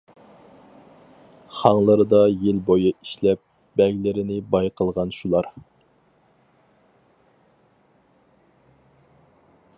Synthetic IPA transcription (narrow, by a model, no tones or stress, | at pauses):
χɑŋlˠəɾɨd̪ɑjɪlbojɨiʃlɛp̚ | bɛɡʲlɪɾɪnɪbɑjqʰəlˠʁɑnʃulˠɑɾ